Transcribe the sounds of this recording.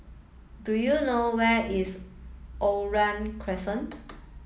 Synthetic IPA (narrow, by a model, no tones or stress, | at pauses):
dujunowɛʔisʔoɹãnkʰɹɛsə̃n